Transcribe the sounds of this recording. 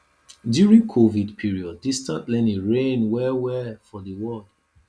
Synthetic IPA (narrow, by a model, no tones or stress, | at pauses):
djuɹĩŋkʰovidpʰiɹiɔdːistãntlɛ̃niɹẽnwɛwɛfɔðəwɔld̥